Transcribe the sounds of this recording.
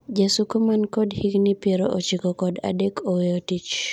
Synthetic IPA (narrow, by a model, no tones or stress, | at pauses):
d͡ʒasukomankɔdhiɡnɪpeɾoʔot͡ʃikɔkɔda̰dekʰoweotit͡ʃ